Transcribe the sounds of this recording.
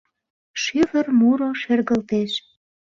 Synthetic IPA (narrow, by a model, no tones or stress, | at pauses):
ʃyvə̆rmuɾoʃerɣə̆lt̪eʃ